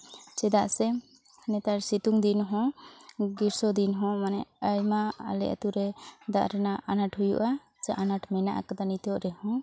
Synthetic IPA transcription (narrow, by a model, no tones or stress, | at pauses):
t͡ʃɛd̪aʔsɛ | nɛt̪aɾsit̪uŋd̪inɦɔ̃ɡiɾsɔd̪inɦɔ̃manɛəjmaa̰lɛ̰ʔa̰t̪uɾɛd̪aʔɾɛnaʔanaʈhujuʔa | t͡ʃɛʔanaʈmɛnaʔa̰kad̪anit̪ɔʔɾɛhɔ̃